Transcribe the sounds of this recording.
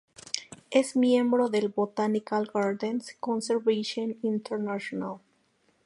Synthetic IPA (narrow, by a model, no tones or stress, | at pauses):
esmjẽmbɾoðelbot̪anikalɡaɾd̪enskõnseɾβeʃõnĩnt̪eɾnaʃonal